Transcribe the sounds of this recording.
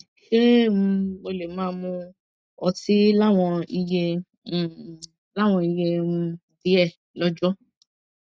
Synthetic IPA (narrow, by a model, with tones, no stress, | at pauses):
ʃe˦m̩˧mo˧le˨mãː˦˧mũ˧ | ɔ˧ti˦la˦w̃ɔ̃˧i˧je˧˨ | la˦˨w̃ɔ̃˧i˧je˧mũ˧˨di˨˦ɛ˦˨ | lɔ˦d͡ʒɔ˦